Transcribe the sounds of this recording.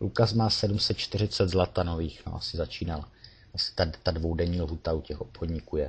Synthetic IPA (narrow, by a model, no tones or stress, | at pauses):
lukasmaːsɛdumsɛt̪̚t͡ʃt̪ɪrɪt͡sɛd̪zlat̪ano̞viːxno̰ʔa̰sɪzat͡ʃiːnal | ʔasɪ̥t̪at̪advo̞wdɛɲiːlɦuːt̪aucɛxʔo̞pxodɲiːkuːjɛ